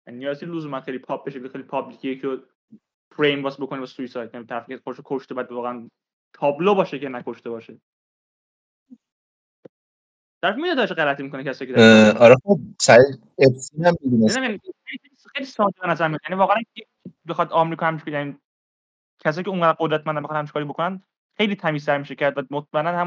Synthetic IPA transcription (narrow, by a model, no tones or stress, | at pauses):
jænijɒːzʰieluzumænxejlipʰɒːp̚beʃelixejlipʰɒblicʰijecʰiɾo | pʰɾejmbɒsbokʰonibɔsujsɒːjd̪̚jænit̪ʰæɾæfe̥kʰexod̪eʃokʰoʃt̪ebjæd̪vɒːɣeæn | t̪ʰɒːblobɒːʃekʰenækʰoʃt̪e̞bɒːʃe | t̪æɾæfimiet̪ʰɒt͡ʃʰeɣælæt̪ʰimikonecʰæsɒːjkʰedɒɾɛχob̚sæɾi | ebsinhæmːibinenæjæniejliejlixejlisɒːd̪ibenæzæɾmijd̪jænivɒːɣææne | bexɒd̪ɒmeɾikɒhæmt͡ʃi̥kjæni | cʰæs̬ɒːjceũŋɢæd̪æɾqod̪ɾæt̪̚mænd̪æmbexɑnhæmt͡ʃʰi̥kːɾibokʰonæn | xe̞jlit̪ʰæmiːst̪æɾmiːʃecæɾd̪væmot̪̚mæenːænhæm